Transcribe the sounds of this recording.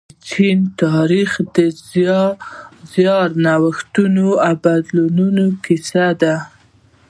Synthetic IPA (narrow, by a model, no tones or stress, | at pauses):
t͡ʃint̪ɑɾixd̪əz | zjɑɾnawəxt̪unoawbad̪lununokɪsad̪a